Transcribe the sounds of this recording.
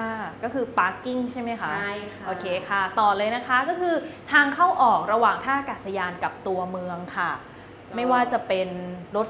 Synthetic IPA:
kʰa˥˩kɔː˥˩kʰɯː˧paː˦˥kːi˥˩ŋt͡ɕʰa˥˩jma˦˥jkʰa˦ | ʔoː˧˩kʰeː˧kʰa˥˩t̪ɔː˨˩lɤː˧jna˦˥kʰa˦˥kɔː˥˩kʰɯː˧t̪ʰaː˧ŋkʰa˥˩wʔɔː˨˩k̚ɾa˧waː˨˩ŋt̪ʰaː˥˩ʔkaː˨˩t̪̚sa˧jaː˧nka˨˩p̚t̪u˧ɐmɯ˧əŋkʰa˥˩ | ma˥˩jwaː˥˩t͡ɕa˨˩pe˧nɾo˦˥t̪̚

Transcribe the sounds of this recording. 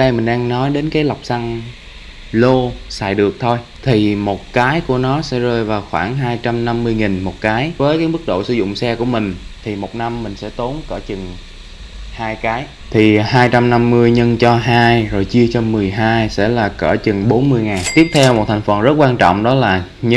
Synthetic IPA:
ɗə˧jmï˨˩ŋ̟ɗaː˧ŋnɔ˨˦jɗe˨˦nkaː˨˦jla˨˩wk͡p̚sa˧ŋ | lo˧sa̰ː˧˨jɗɨ˨˩ək̚t̪ʰo˧j | t̪ʰi˨˩mo˨˩t̚kaː˨˦jku˧˩ənɔ˨˦sɛ̰˧˥zəː˧˩jvaː˨˩wxwaː˧˩ŋɦaː˧jt͡ɕa˧mna˧mːɨ˧əjŋi˨˩nmo˨˩t̚kaː˨˦jvəː˨˦jkaː˨˦jmɨ˦˥k̚ɗo̰˧˨sɨ˧zʊ̰˧˨ŋ͡msɛ˧ku˧˩əmï˨˩ŋ̟t̪ʰi˨˩mo˨˩t̚na˧mːï˨˩ŋ̟sɛ̰˧˥t̪o˨˦nkəː˧˩t͡ɕɨ˨˩ŋ | haː˧jkaː˨˦j | t̪ʰi˨˩haː˧jt͡ɕa˧mna˧mːɨ˧əjɲə˧nt͡ɕɔ˧ɦaː˧jzo˨˩jt͡ɕi˧ət͡ɕɔ˧mɨ˨˩əjɦaː˧jsɛ̰˧˥laː˨˩kəː˧˩t͡ɕɨ˨˩ŋɓo˨˦nmɨ˧əjŋaː˨˩nt̪i˦˥əp̚t̪ʰɛ˧wmo˨˩t̚t̪ʰa˨˩ŋ̟fə˨˩nzə˦˥t̚kwaː˧nt͡ɕɔ̰˧˨wŋ͡mɗɔ˨˦laː˨˩ | ɲɨ˧˥

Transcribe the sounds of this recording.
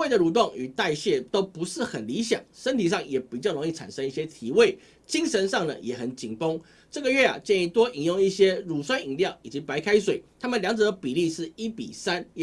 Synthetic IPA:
we˥˩d̪ə˨ɻu˨˩t̪̬wɑ˥˩ŋy˨˩t̪a˥˧ɪɕjɛ˥˩t̪o˥ʊpu˧˥ʂɻ̩˥˨xə˨˩nli˧˥ɕjɑ̰˨˩˦ŋʂə˥˦nt̪ʰi˨˩ʂ̬ɑ˥˩ŋjɛ˨˩pi˨˩t͡ɕjɑ˥˩ʊɾo˧˥ŋi˥˩ʈ͡ʂʰa̰˨˩nʂə˥ŋi˥˩ɕjɛ˦t̪ʰi˧˥we˥˩ɪ | t͡ɕi˥ŋʂə˧˦nʂɑ˥˩ŋd̪ə̰˨jɛ˨˩xə˨˩nt͡ɕi˨˩ŋpo˥ŋ | ʈ͡ʂɤ˥˩ɡə˨ɥɛ˥˩a̰˩t͡ɕjɛ˥˧ni˥˧˩t̪wɔ˦ʔi˨˩ŋjʊ˥˧ŋi˥˩ɕjɛ˥ɻu˨˩swa˥ni˨˩ŋljɑ˥˨˩ʊi˨˩t͡ɕi˧˥pa˧˥ɪkʰa˥ɪswe˨˩˦ɪt̪ʰa˥mə˨nljɑ˧˥ŋt͡s̩˨d̪ə˩pi˨˩li˥˧ʂɻ̩˥˩i˥pḭ˨˩sa˦˥n

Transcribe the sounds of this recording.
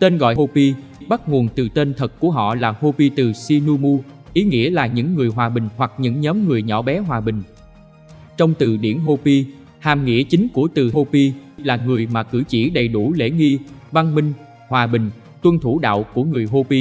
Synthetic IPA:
t̪e˧nɣɔ̰˧˨jho˧pi˧ | ɓa˦˥t̚ŋu˨˩ənt̪ɨ˨˩t̪e˧nt̪ʰə˨˩t̚ku˧˩əɦɔ̰˧˨laː˨˩ho˧pi˧t̪ɨ˨˩si˧nu˧mu˧ʔi˨˦ŋḭ˧˥əlaː˨˩ɲɨ̰˧˥ŋːɨ˨˩əjɦwaː˨˩ɓï˨˩ŋ̟hwa˨˩k̚ɲɨ̰˧˥ŋɲɔ˨˦mŋɨ˨˩əjɲɔ̰˧˩ɓɛ˨˦ɦwaː˨˩ɓï˨˩ŋ̟ | t͡ɕɔ˧wŋ͡mt̪ɨ̰˨˩ɗḭ˧˩ənɦo˧pi˧ | haː˨˩mŋḭ˧˥ət͡ɕï˨˦ŋ̟ku˧˩ət̪ɨ˨˩ɦo˧pi˧laː˨˩ŋɨ˨˩əjmaː˨˩kɨ̰˧˥t͡ɕi˧˩ɗə˨˩jɗu˧˩lḛ˧˥ŋi˧va˧ŋmï˧ŋ̟ | hwaː˨˩ɓï˨˩ŋ̟ | t̪wə˧nt̪ʰu˧˩˦ɗa̰ː˧˨wku˧˩əŋɨ˨˩əjɦo˧pi˧

